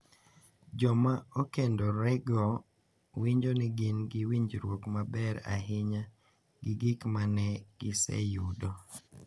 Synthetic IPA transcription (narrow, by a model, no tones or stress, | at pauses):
d͡ʒɔmaokendɔɾɛɡɔ | wiɲd͡ʒonɪɡɪnɡɪwiɲd͡ʒɾwokmabɛɾa̰ɦɪɲa | ɡɪɡɪkmanɛɡ̥ɪsɛ̰judo